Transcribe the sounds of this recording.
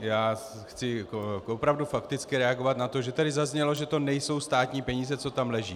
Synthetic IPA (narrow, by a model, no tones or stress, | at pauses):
jaː | xt͡sɪkoopɾavdufakt̪ɪt͡skɪɾɛaɡo̞vat̪nat̪o̞ʒɛt̪adɪzazɲɛlo̞ʒɛt̪o̞nɛjso̞wst̪aːt̪ɲiːpɛɲiːzɛt͡so̞t̪amlɛʒiː